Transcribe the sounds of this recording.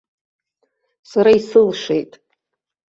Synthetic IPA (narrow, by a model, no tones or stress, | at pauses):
saɾaisɨlʂe̞̰jtʼ